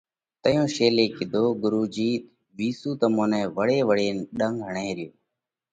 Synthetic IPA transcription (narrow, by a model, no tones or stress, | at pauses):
t̪əjõːʃeːleːkɪd̪ʱoːɡʊɾuːd͡ʒiːt̪ | ʋiːsuːt̪əmõːnɛ̃ːʋəɽeːʋəɽeːnɗəŋɡɦəɳẽːɾɪjoː